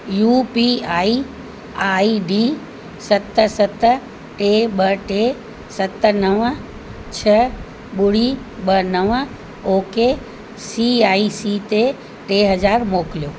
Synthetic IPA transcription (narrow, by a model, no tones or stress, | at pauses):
juːpiaːi | aːiɖiː | sɐt̪sɐt̪ | ʈeɓɐʈe | sɐt̪nɐʋ | t͡ɕʰɐ | ɓʊɽi | ɓɐnɐʋ | oːke | siaːisit̪e | ʈeɦɐd͡ʑaːɾmoːkɪlijoː